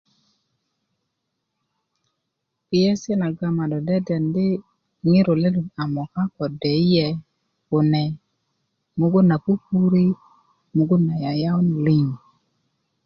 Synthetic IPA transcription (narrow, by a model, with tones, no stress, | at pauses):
pɪ˦ɛ˦sɛ˦na˨ɡa˨ma˨dɔ˨dɛ˦dɛ˨ndɪ˦ | ŋɪ˦ɾo˨le˦lu˨na˨mɔ˨ka˦kɔ˨dɛ˨i˦jɛ˨ | ko˨nɛ˨ | mo˦ɡo˦na˨pu˦pu˦ɾi˦ | mo˦ɡo˦na˨ja˨ja˦ɔ˦ni˨li˦ŋ˨